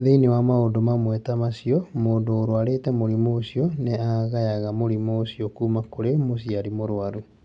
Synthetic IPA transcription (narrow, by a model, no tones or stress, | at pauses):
ðeinewamaondomamwɛtamasiɔmoːndoːɾoaɾetɛmoɾimoːsiɔneaɣajaɣamoɾimoːsiɔkuːmakoɾemosiaɾimoɾoaɾu